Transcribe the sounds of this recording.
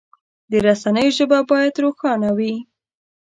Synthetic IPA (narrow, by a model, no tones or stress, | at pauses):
d̪əɾasanəjoʒəbabɑjad̪ɾoxɑnawi